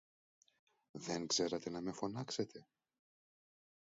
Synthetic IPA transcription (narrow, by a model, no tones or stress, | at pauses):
ðe̞ŋɡz̥e̞ɾɐt̪e̞nɐme̞fo̞nɐkset̪ʰe̞